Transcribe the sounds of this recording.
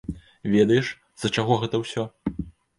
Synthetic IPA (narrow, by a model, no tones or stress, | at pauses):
vʲɛd̪ɐjɛʂ | z̥ɐt͡ʂaɣɔɣɛt̪ɐwsʲɔ